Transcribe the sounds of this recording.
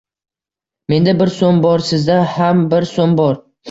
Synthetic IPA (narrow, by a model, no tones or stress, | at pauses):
me̞nd̪abɪɾsombɒɾsɪzd̪ahambɪɾsombɒɾ